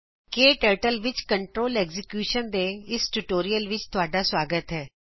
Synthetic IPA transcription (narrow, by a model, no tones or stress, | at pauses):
keːʈɛːʈəlʋɪt͡ʃkəɳʈɾoːlɛːɡzɪkjuːʃənd̪eːɪsʈuʈoːɾijəlʋɪt͡ʃt̪ʊaːɖaːswaːɡət̪ɦɛː